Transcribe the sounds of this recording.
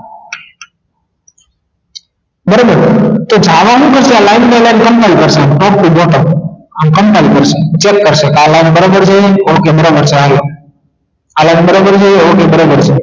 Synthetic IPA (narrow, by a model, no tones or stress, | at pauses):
bəɾoːbəɾt̪od͡ʒʱaːʋaɦũːkəɾseəlaːɪnpelaːnkəmpalpəɾsãːnʈɔːp̚ʈiboːʈəənkə̃mpalpəɾsẽt͡ʃeːkːəɾsekaːlaːɪnbəɾoːbəɾd͡ʒajeoːkebəɾoːbəɾseaːjo | alaːɪnbəɾoːbəɾd͡ʒaeoːkebəɾoːbəɾse